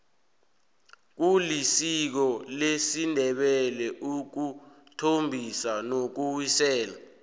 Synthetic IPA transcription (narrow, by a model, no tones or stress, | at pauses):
k̬ulisik̬ɔlesindʱɛɓɛlɛʔuk̬u | tʰombʱisanok̬uwisɛːla